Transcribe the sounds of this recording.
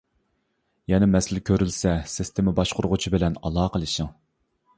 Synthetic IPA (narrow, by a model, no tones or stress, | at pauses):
jɛnɛmɛsɪlkʲʰøɾylsɛsɪst̪ʰemɪbɑʃqʰʊɾʊʁʊt͡ʃʰibɪlɛnɑlˠɑːqʰəlˠɨʃəŋ